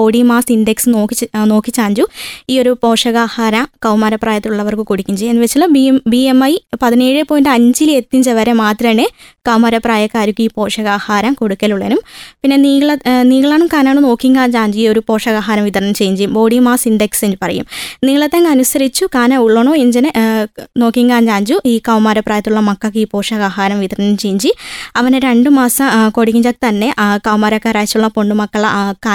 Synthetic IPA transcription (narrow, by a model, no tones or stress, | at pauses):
o̞ːɽimaːsinɖeksɨno̞ːkːino̞ːkːit͡ɕːaːɲd͡ʑuiːo̞ɾupo̞ːʂɐɣaːhaːɾɐkɐwmɐɾɐpraːjɐt̪ːiluɭːɐʋɐrkɨkoɽikʲːimd͡ʑejːɐnːɨʋet͡ɕːɐɭːɐbibiemːɐjpɐðine̞ːɻɨpːoːjndeɐɲd͡ʑile̞t̪ːiɲd͡ʑɐʋɐɾemaːt̪rɐnekɐwmɐɾɐpːraːjɐkːaːɾikʲːuiːpo̞ːʂɐɣaːhaːɾɐmkoɽukʲːɐluɭːenumpinːe̞niːɐɭniːɣɐɭaːɳumkaːnaːɳɨno̞ːkːiŋkaːɲd͡ʑaːɲd͡ʑuio̞ɾupo̞ːʂɐɣaːɦaːɾɐmʋit̪ɐrɐnɐmt͡ɕe̞jːuɲd͡ʑejumbo̞ːɽimaːsind̪eksend͡ʑupɐrɐ̰jṵmniːɡɐɭet̪ːɐnɡɐnusɐɾit͡ɕːukaːnɐuɭːoɳoːeɲd͡ʑɐnɨno̞ːkːiŋkaːɲd͡ʑaːɲd͡ʑuʔiːkɐwmaːɾɐpːraːjɐt̪ːuɭːɐmɐkːɐkːɨiːpo̞ːʂɐɣaːɦaːɾɐmʋit̪ɐrɐnɐmt͡ɕejːiɲd͡ʑiɐʋɐneɾeɳɖɨmaːsɐmko̞ɽikʲːiɲd͡ʑakt̪ɐnːe̞ʔkɐwmaːɾɐkːaːɾaːjit͡ɕːuɭːɐpo̞ɳɖumɐkːɐɭɐkaː